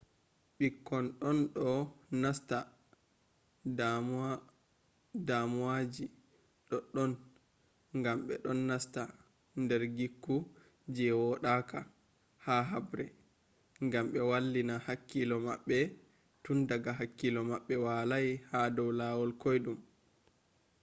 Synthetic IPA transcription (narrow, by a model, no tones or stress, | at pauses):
ɓikːɔnɗɔnɗɔnasta | dam | damuwad͡ʒi | ɗɔɗɔn | ŋɡamɓɛ̰ɗɔnːasta | ndɛɾɡikːu | d͡ʒɛwɔɗaka | haɦabɾɛ | ŋɡamɓɛwalːinahakːilɔma̰ɓːɛ | tundaɡaɦakːilɔmaɓːɛwalajhadɔwlaːwɔlkojɗum